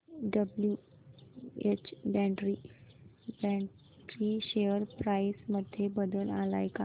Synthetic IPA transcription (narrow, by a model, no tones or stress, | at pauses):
ɖəblju | et͡ɕbɛ̃ɳʈɾi | bɛ̃ɳ | ʈɾiɕeəɾpɾajsməd̪ʱːjebəd̪əlala̰jka